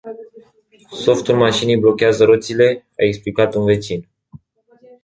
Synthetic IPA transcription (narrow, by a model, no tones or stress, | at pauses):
so̞ft̪ulmaʃinijblo̞kʲeazəɾo̞t̪sile̞ | a̰e̞ksplikat̪unve̞t͡ʃin